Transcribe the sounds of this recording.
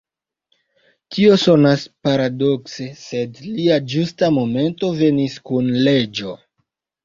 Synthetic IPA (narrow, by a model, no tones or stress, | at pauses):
tʰio̞so̞naspaɾado̞kse̞se̞dliad͡ʒustamo̞me̞nto̞ve̞niskunle̞d͡ʒo̞